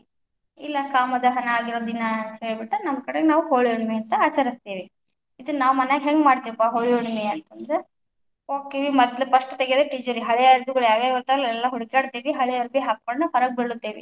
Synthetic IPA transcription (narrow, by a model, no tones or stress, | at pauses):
ilːɐkaːmɐd̪ɐɦɐnɐaːɡiɾod̪inɐnt̪ɐheːɭbiʈːunɐmːkɐɽeɡenaːʋuɦoːɭijuɳmeɐnt̪ɐaːt͡ʃɐɾist̪iːʋi | id̪unaːʋmɐnaɡɦeŋɡmaːɽt̪eːʋipaːɦoːɭiuɳmeɐnt̪ɐnd̪ɾe | oːɡ̚t̪iːʋimɐd̪lupɐʂʈɐt̪eɡijd̪eʈiːd͡ʒɐɾiɦɐɭɛɐɾbiɡɐɭaːɡeɐt̪ɐlɐɛlːɐɦuɽikaːɽt̪iːʋiɦɐɭɛɐɾbiɦaːk̚koɳɖɐpɐɾɐɡ̚beɭːut̪ːeːʋḭ